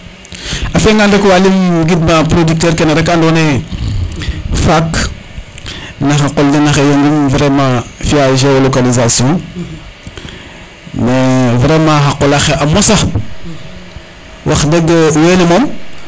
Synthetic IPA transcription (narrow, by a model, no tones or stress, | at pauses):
afeŋɡandekwalimɡidmapɾodik̚tɛːɾkenaɾekandone | fak | naxaqoldenaxejonɡumvɾemãfiaʒewolokalizasijɔ̃ | mevɾemãxaqolaxeʔamosa | waxdeɡwenemom